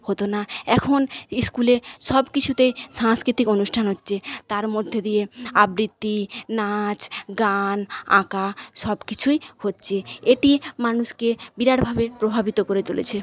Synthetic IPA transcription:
hot̪onaɛkʰoniskuleʃɔbkit͡ɕʰut̪ejʃaŋskɾit̪ikonuʃʈʰanɦotːɕʰet̪aɾmod̪ʱːed̪ijeabɾit̪ːinat͡ɕɡanã̰kaʃɔbkit͡ɕʰujhotːɕʰeeʈimanuʃkebiɾaɽbʱabepɾobʱabit̪okoɾet͡ɕolḛt͡ɕʰe

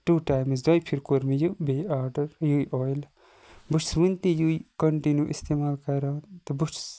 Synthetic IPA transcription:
ʈuːʈaːjmzd̪ɐjpʰiɾkoɾmijubeaːɾɖɐɾjujʔɔːjl | buʈʰsʋɨnt̪ijuikɐɳʈinjuʔist̪eːmaːlkɐɾant̪ɐbuʈs

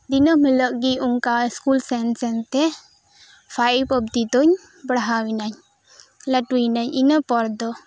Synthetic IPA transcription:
d̪inəmələʔ̚ɡiuŋkaskulsɛnsɛnt̪ɛ | pʰaipəb̚t̪it̪ɔɲ | bəɽaɦawinaɲ | laʈunaɲʔinəpɔɾd̪ɔ

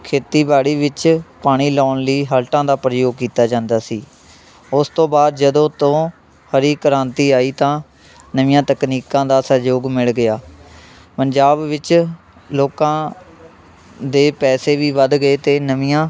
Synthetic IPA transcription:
kʰeːt̪iːbaːɽiːʋɪt͡ʃpaːɽ̃iːlɔːnliːɦəlʈãːd̪aːpɾəjoːɡ̚kiːt̪aːd͡ʒãːnd̪aːsiː | ʊst̪õːbaːd̪̚d͡ʒəd̪õːt̪õː | həɾiːkəɾãːnt̪iːaːiːt̪ãː | nəʋɪjãːt̪əkniːkãːd̪aːsəɾd͡ʒoːɡmɪɭɡɪjaː | pəɲd͡ʒaːbʋɪt͡ʃ | loːkãː | d̪eːpɛːseːʋiːʋəd̪ɡəeːt̪eːnəʋɪjãː

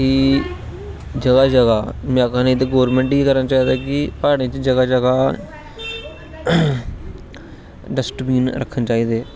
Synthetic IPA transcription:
iː | d͡ʒəɡaːd͡ʒəɡaːmãːkãːnẽːd̪eɡoːɾmẽːɳʈiːkəɾənaːt͡ʃaːiːd̪aːkɪpaːɽ̃ẽːt͡ʃd͡ʒəɡaːd͡ʒəɡaː | ɖəsʈbiːnɾə̰kʰːənt͡ʃaːiːd̪eː

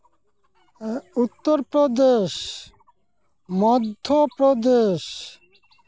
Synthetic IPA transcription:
ut̪ːoɾpɾod̪eʃ | mɔd̪ʱːopɾod̪eʃ

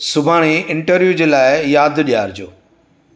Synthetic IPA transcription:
sʊbʱaːɽ̃eɪ̃ɳʈəɾʋjud͡ʑeːlaːɪjaːd̪ɗijaːɾd͡ʑoː

